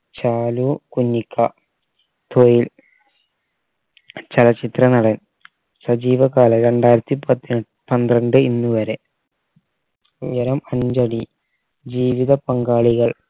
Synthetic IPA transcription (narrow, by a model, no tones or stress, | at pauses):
t͡ɕaːlukunːikʰːɐ | t̪ʰojil | t͡ɕɐlɐt͡ɕːit̪rɐnɐɽɐn | sɐd͡ʑiːʋɐkaːlɐɾe̞ɳɖaːjɾɐt̪ːipɐt̪ːin | pɐnd̪rɐɳɖɨinːuʋɐɾe̞ | ujɐɾɐmɐɲd͡ʑɐɽi | d͡ʑiːʋiðɐpɐŋɡaːɭiɣɐɭ